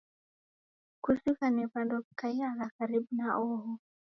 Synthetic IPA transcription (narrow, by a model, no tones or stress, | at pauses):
kusikanipandɔkːajalakaɾib̚naʔoɦɔ